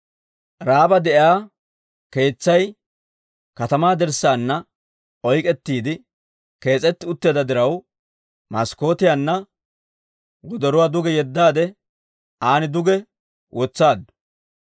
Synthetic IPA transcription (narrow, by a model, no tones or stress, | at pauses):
ɾaːbɐd̪ɛʔɪaː | ke̞ːt͡sːɐj | kɐt̪ɐmaːd̪ɛɾsaːnːɐ | ʔɔjkʼɛt̪ːiːd̪ɪ | ke̞ːt͡sʼɛt̪ːɪʊt̪ːeːd̪ɐd̪ɪɾɐw | mɐsko̞ːt̪ɪjanːɐ | wɔd̪ɔɾʊwaːd̪ʊɡɛjɛd̪ːaːd̪ɛ | aːnɪd̪ʊɡɛ | wʔɔt͡sːaːd̪ʊ̥